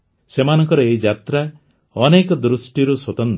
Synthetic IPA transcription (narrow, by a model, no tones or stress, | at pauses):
semanɔŋkɔɾɔeid͡ʒat̪ɾa | ɔnekɔd̪ɾusʈiɾuswɔt̪ɔn